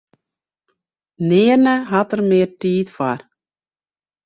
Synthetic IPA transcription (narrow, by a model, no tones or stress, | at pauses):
nɪːərnəɦɑtərmɪːrtiːtfa̰r